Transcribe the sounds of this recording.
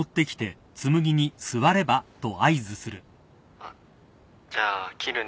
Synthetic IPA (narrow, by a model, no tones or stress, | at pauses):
ot̪ːe̞kʲi̥t̪e̞ | t͡sɨmɯ̟ɡʲiɲ̟isɨβaɾe̞bat̪o̞aizɨsɨɾɯ̟ | a | d͡ʑaːkʲʰiɾɯ̟